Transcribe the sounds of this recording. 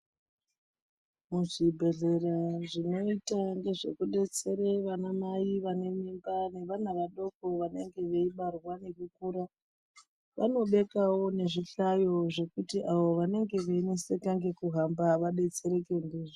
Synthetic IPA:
muʐibʱe̞ɮe̞raʐino̞itaŋɡe̞ʐe̞kuɗe̞t͡se̞ɾeʋanamaiʋane̞mimbane̞ʋan̤aʋaɗo̞ko̞ʋane̞ŋɡe̞ʋeiɓarwane̞kukuːɾa | ʋa̰no̞ɓe̞kawo̞ne̞ʐiɬajo̞ʐe̞kutiʔaʋo̞ʋane̞ŋɡe̞ʋenisekaŋɡe̞kuɦambaʋaɗe̞t͡se̞ɾe̞kendiːʐo

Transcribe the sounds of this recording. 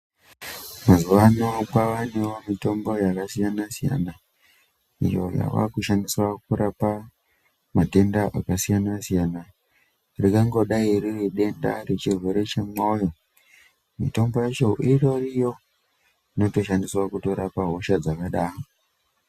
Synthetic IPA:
mazuʋanokaʋane̞womito̞mbojakasijanasija̰na | ḭjo̞̰ja̰ʋa̰kuʃandiswakuɾapa | mate̞ndaʔa̰kasijanasijana | rikaŋɡo̞ɗaiririɗe̞nda̰ret͡ʃirwe̞ɾe̞t͡ʃe̞mojo̞ | mḭto̞mbo̞jet͡ʃo̞ʔirorijo̞ | ino̞to̞ʃandiswakuto̞ɾapaɦo̞ʃad͡zakaɗaːro

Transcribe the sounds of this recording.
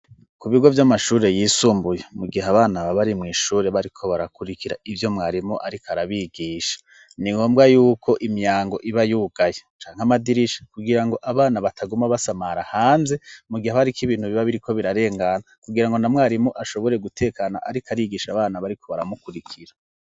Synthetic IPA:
kuβiɡo̞vjamaʃuːɾe̞jiːsuːmbujemuɡiɦaβaːnaβaβaɾimŋiːʃuːɾeβaɾikʰo̞βaɾakuɾikʰiɾa̰ivjo̞mŋaːɾimuʔaɾikaɾaβiɡiːʃḁ | niŋɡo̞ːmbɡajuːkʰo̞ʔimjaːŋɡo̞ʔiβajuːɡ̥ajet͡ʃaːŋhamadiɾiʃḁkuɡiɾaŋɡo̞ʔaβaːnaβatʰaɡumaβasamaɾahaːnze̞muɡihaβaɾikiβiːn̥huβiβaβiɾikʰo̞βiɾaɾe̞ːŋɡanakuɡiɾaŋɡo̞namŋaːɾimuʔaʃo̞βo̞ɾe̞ɡutʰe̞ːkaːna̰ʔaɾikaɾiɡiʃaβaːnaβaɾikʰo̞βaɾamukuɾikʰiɾa

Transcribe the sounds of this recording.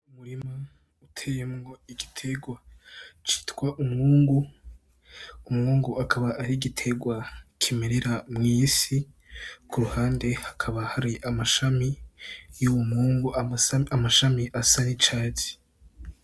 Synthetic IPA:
umuɾima | utʰeːjemŋo̞iɡitʰeɡwat͡ʃi̥ːtkwaʔumŋuːŋɡu | umŋuːŋɡuakʰaβaʔaɾiɡitʰe̞ɡwakʰimeɾeɾamŋiːsi | kʰuɾuhaːnde̞hakʰaβahaɾiʔamaʃamijuwumhuːŋɡuaamaʃamiʔasanit͡ʃaːt͡si̥

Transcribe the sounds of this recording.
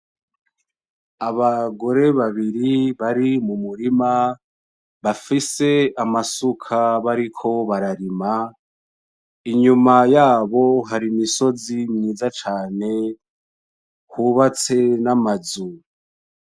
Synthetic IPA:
aβaɡo̞ɾe̞βaβiɾiβaɾimumuɾima | βafise̞amasukʰaβaɾikʰo̞βaɾaɾima | iɲumajaːβo̞ɦaɾimiso̞zimɲiːzat͡ʃaːne̞ | huːβat͡se̞namazu

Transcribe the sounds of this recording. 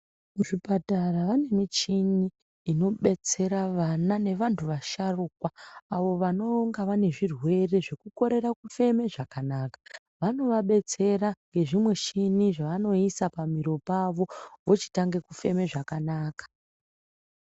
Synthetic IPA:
muʐipataraʋane̞mit͡ʃiniː | no̞ɓe̞t͡se̞ɾaʋanane̞ʋantʰuʋaʃarukwaːʋo̞ʋano̞ŋɡaʋane̞ʐirwe̞re̞ʐe̞kuko̞ɾe̞rakufe̞me̞ʐakanaːkḁ | ʋano̞ʋaɓe̞t͡se̞ɾaŋɡe̞ʐimwe̞t͡ʃiniʐaʋano̞isapamiɾo̞paʋo̞ʋo̞t͡ʃi̥taŋɡe̞kufe̞me̞ʐakanaːkḁ

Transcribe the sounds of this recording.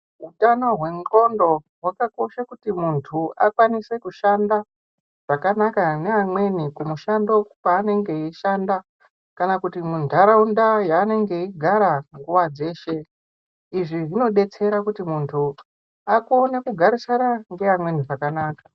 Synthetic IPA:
ɦutanoɦwe̞ŋɡo̞ndo̞ɦwakako̞ʃakutimuntʰuakwanise̞kuʃanda | ʐ̥akanakane̞amwe̞nikumuʃando̞paːne̞ŋɡe̞iʃanda | kanakutimundʱaɾaundajaːne̞ŋɡe̞iɡʱaɾaŋɡuʋad͡ze̞ːʃe̞ | iʐiʐino̞ɗe̞t͡se̞ɾakutimuntʰu | akuonekuɡʱaɾisanaŋɡe̞ʋamwe̞niʐakanaːka

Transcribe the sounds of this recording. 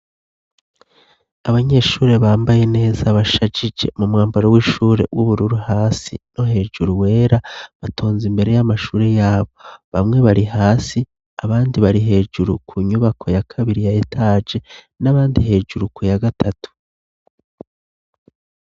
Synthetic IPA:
aβaɲe̞ʃuːɾe̞βaːmbaje̞ne̞ːzaβaʃad͡ʒid͡ʒe̞̰mumŋaːmbaɾowiːʃuːɾe̞̰wʔuβuɾuɾuhaːsḭno̞ɦe̞ːd͡ʒuɾuwe̞ːɾaβatʰo̞ːnzimbe̞ɾe̞jamaʃuːɾejaːβo̞βamŋe̞βaɾiɦaːsi | aβaːndiβaɾiɦe̞ːd͡ʒuɾṵkʰuɲuβakʰo̞jakʰaβiɾijajetʰaːd͡ʒe̞ | naβaːndiɦe̞ːd͡ʒuɾukujaɡatʰatu̥

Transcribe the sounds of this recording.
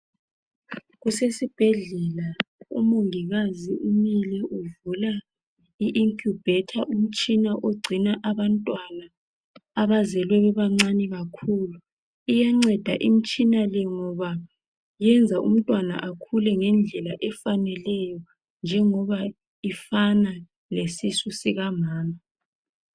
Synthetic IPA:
ɣusesib̥ʱɛɮɛlaṵmoŋiɣaziʔumilɛʔuvula | iʔiŋkʰʼub̥ɛtʰaʔum̩t͡ʃʼinaʔoɡ͡ǀʱinaʔaβantʼwanaː | βazɛlwɛβɛβaŋ͡ǀanɛɣakʰuːlu | ijaŋ͡ǀɛd̥ʱaʔim̩t͡ʃʼinalɛŋɔβa | jɛnd͡zʱaʔṵm̩tʼwana̰ʔakʰulɛŋɛnd͡ɮʱɛlaʔɛfanɛlɛjɔ | nd͡ʒʱɛŋɔβa | ifana | lesisusiɣamaːma

